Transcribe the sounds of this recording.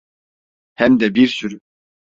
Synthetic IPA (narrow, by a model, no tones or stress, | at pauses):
hɛmd̪ɛbiɾsyɾy